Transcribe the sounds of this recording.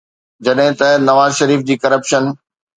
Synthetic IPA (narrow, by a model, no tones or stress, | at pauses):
d͡ʑɐɗɦɪ̃t̪ɐnɐʋaːzʃɐɾiːfd͡ʑiːkɐɾəpʃən